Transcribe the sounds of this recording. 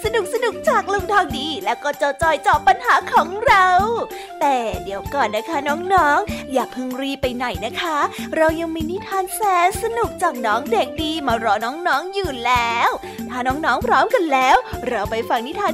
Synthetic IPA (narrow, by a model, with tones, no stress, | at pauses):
sa˧nu˨˩k̚sa˧nu˨˩k̚t͡ɕaː˨˩k̚lo˧ŋt̪ʰɔː˧ŋdiː˧lɛː˦˥wkɔː˥˩t͡ɕɔː˧t͡ɕɔː˧˩jt͡ɕɔː˨˩pːa˧nhaː˩˦kʰɔː˩˦ŋɾa˧w | t̪ɛː˨˩diː˨˧əwkɔː˨˩nːa˦˥kʰa˦˥nɔː˦˥ŋnɔː˦˥ŋjaː˨˩pʰɯ˧ŋɾiː˧˩pa˧jna˨˩jna˦˥kʰa˦˥ɾa˧wja˧ŋmiː˧ni˦˥t̪ʰaː˧nsɛː˨˦˥nsa˧nu˨˩k̚t͡ɕaː˨˩k̚nɔː˦˥ŋde˨˩k̚diː˧maː˧ɾɔː˧˩nɔː˦˥ŋnɔː˦˥ŋjuː˨˩lɛː˦˥w | t̪ʰaː˥˩nɔː˦˥ŋnɔː˦˥ŋpʰɾɔː˦˥mka˧nlɛː˦˥wɾa˧wpa˧jfa˧˩ŋtnʰiː˦˥t̪ʰaː˧